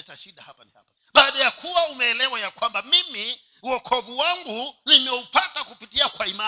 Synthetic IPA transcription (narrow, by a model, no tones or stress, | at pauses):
ɛtaʃiɗahapaniha̰pa | ɓaːɗajakʰuwaumɛːlɛwajakwambamimi | uɔkʰɔvuwaŋɡunimɛupatakupitiakwaima